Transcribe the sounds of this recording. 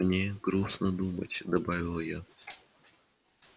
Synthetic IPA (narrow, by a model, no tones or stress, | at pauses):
nʲeɡɾusnəd̪umə̰tʲd̪ɐbavʲɪlˠja